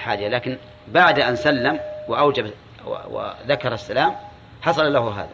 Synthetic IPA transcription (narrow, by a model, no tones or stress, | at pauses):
ħaːd͡ʒalaːkɪn | baʕd̪ʔansalːɪmwɪʔawd͡ʒab̰ | wɪ̰ðakɑɾˤasːalaːm | ħɑsˤɑllaɦuɦa̰ːða